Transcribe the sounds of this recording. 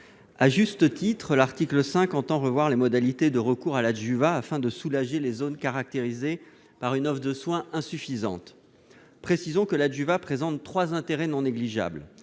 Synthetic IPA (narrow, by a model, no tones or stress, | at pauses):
aʒyst̪ət̪it̪χəlaʁt̪ikləsɛ̃kɑ̃t̪ɑ̃ʁəvwaʁlemɔd̪alit̪ed̪əʁəkuʁalaʒyvaːfɛ̃d̪əsulaʒelezonkaʁak̚t̪eʁize | paʁynɔfd̪əswɛ̃ʔɛ̃syfizɑ̰̃t̪ | pχesizɔ̃kəlaʒyvapχezɑ̃t̪ːχwazɛ̃t̪eʁɛnɔ̃neɡliʒa̰bl